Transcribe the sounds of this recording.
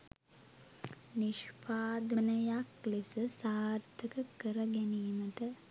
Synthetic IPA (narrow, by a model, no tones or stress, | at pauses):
niʃpaːd̪ənəjaklisəsaːrt̪ʰəkəkəɾəɡæniːməʈə